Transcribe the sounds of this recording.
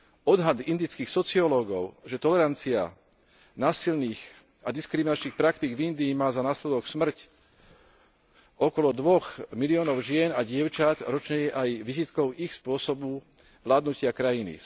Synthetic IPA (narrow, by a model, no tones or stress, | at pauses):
ɔd̪ɦad̪ind̪it͡skiːxsɔt͡siɔlɔːɡɔʊʒɛt̪ɔlɛɾant͡sia̰ | naːsilniːx | ad̪iskɾiminat͡ʃniːxpɾakt̪iːɡvind̪iːmaːzanaːslɛd̪ɔksmr̩c | ɔkɔlɔd̪ʋɔɣmiliɔːnɔʊʒɪɛnaɟɪɛʊt͡ʃat̪ɾɔt͡ʃɲɛjɛʔajʋizit̪kɔʊixspʊɔsɔbu | ʋlaːd̪nucɪakɾajinḭ